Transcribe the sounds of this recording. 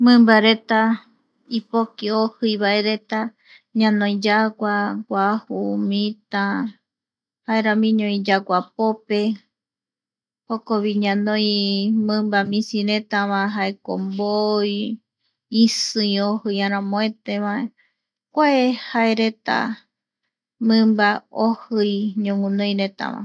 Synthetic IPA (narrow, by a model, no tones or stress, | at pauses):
mɨ̃mbaɾet̪a | ipokiohɨjβae̞ɾe̞t̪a | ɲãnõj̃d͡ʒaɡʷaɡʷahumĩt̪ã | haeɾãmĩɲõĩd͡ʒaɡʷapope̞ | hokoβiɲãnõjmɨ̃mbamĩsiɾet̪aβãɦaeko̰mboj | isɨĩohɨjãɾ̃ãmõet̪eβae | kʷaehaeɾe̞t̪a̰ | mɨ̃mbaohɨjɲõŋũnõj̃ɾet̪a̰βã̰